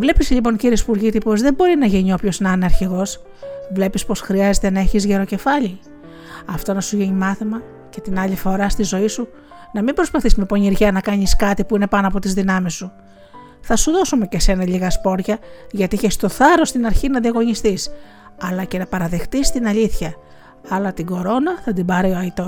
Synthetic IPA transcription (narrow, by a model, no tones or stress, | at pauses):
vle̞pisʎipo̞ɲciɾiespuɾʝit̪ipo̞zðe̞mbo̞ɾinɐʝiɲio̞pço̞znɐneɐɾçiɣo̞s | vle̞pispo̞sxɾiɐze̞t̪e̞nɐe̞çizʝeɾo̞ce̞fɐʎi | ɐft̪o̞nɐsuʝiɲimɐθimɐ | ce̞t̪inɐʎifo̞ɾɐst̪izo̞isu | nɐmibɾo̞spɐθismepo̞ɲiɾʝɐnɐkɐɲiskɐt̪ipuine̞pɐno̞ɐpo̞t̪izðinɐmisːu | θɐsuðo̞sumece̞se̞nɐʎiɣɐspo̞ɾʝɐʝɐt̪iiçest̪o̞θɐɾo̞st̪inɐɾçinɐðiɐɣo̞ɲist̪is | ɐlɐce̞nɐpɐɾɐðe̞xt̪ist̪inɐʎiθçɐ | ɐlɐt̪iɡo̞ɾo̞nɐθɐd̪ibɐɾioɐit̪o̞s